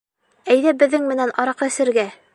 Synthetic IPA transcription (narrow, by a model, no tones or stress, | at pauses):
æjðæbɘ̆ðːɘŋmɘ̆nænɑɾɑqɑ̆sɘ̆ɾɡæ